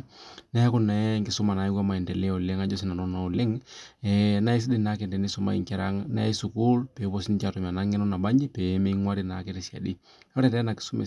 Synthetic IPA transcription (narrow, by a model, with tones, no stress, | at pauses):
na˦kʊ˦nɛŋɡɪ˨sʊ˦ma˨na˨i˦kwa˦ma˨i˨ntɛ˨le˦ɔ˨le˦ŋa˦d͡ʒɔ˦s̬i˦na˨nɔ˦na˨ɔ˨lɪ˦ŋɛna˦i˦s̬i˦di˦na˦ke˨ndɛ˨ni˦sʊ˦ma̰˨ḭŋkɛ˦ɾa˦ŋna̰˦i˦su˨ku˦lpe˨˦pɔ˦si˦n˦t͡ʃa˨tu˨m˨a˨na˦ŋɪ˦nɔ˦na˨ba˦ɲi˦pe˨˦me˦ŋwa˦ɾi˨na˨˦ke˦ɾɪ˦sja̰˨di˦ | ɔ˦ɾɛ˨tɛ˦na˨kɪ̥˨su˦mḛ˨